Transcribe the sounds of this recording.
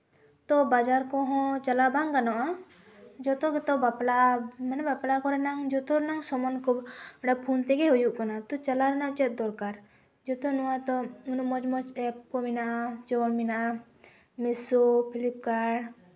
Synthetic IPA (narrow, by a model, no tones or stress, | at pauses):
t̪ɔbad͡ʒaɾkɔɦɔ̃t͡ʃalabaŋɡanɔʔa | d͡ʒɔt̪ɔɡɛt̪ɔbaplamanɛbaplakɔɾɛnaŋd͡ʒɔt̪ɔɾɛnaŋsɔmɔnkɔbɽapʰunt̪ɛɡɛɦujuʔkanat̪ɔt͡ʃalaɾɛnaʔt͡ʃɛt̪̚d̪ɔɾkaɾ | d͡ʒɔt̪ɔnuwat̪ɔunumɔd͡ʒmɔd͡ʒɛpkɔminaʔad͡ʒɔwɔnminaʔa | misupʰilip̚kaɽ